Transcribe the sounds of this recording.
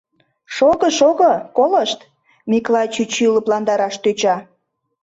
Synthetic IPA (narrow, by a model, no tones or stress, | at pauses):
ʃoɣəʃoɣəkoləʃt̪ | mʲiklˠɑjt͡ɕyt͡ɕyləplɑnd̪ɑɾɑʃt̪øt͡ɕɑ